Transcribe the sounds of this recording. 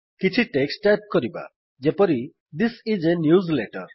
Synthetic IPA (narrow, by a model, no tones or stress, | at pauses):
kit͡ʃʰiʈeksʈep̚kɔɾiba̰ | d͡ʒepɔɾi | d̪isid͡ʒenjuzleʈɔɾ